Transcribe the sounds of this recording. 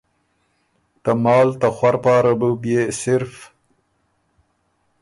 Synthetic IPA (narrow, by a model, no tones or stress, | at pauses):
t̪amɑːlt̪axwaɾpɑːɾabubjesɪɾf